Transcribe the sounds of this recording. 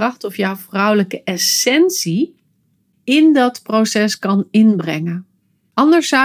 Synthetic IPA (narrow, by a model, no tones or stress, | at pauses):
ɑχtɔfjawvrʌwləkəʔɛsɛnsi | ɪndɑtprowsɛskɑnɪnbrɛŋən | ɑndəɹsa